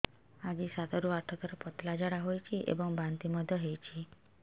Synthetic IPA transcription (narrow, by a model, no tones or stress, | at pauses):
ad͡ʒisad̪ɔɾuaʈʰɔt̪ɔɾɔpɔt̪lad͡ʒaɽaɦojt͡ʃʰiʔḛbɔŋbant̪imɔd̪ʱjɔɦejt͡ʃʰi